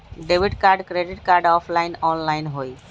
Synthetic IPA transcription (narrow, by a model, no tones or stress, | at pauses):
ɖeːʋɪɖkaːɾɖkɾeːɖɪʈkaːɾɖɔːpʰlaːɪnɔːnlaːɪnɦoːiː